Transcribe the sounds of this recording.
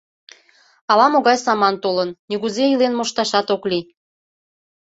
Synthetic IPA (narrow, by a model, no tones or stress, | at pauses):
ɑlɑmoɣɑjsɑmɑnt̪olənːʲiɣuzeilenmoʃt̪ɑʃɑt̪okli